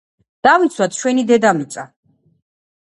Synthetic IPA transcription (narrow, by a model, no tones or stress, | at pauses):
d̪̥avint̪sʰwat̪̚ʰt͡ʃʰwɛnid̪ɛd̪amit̪sʼa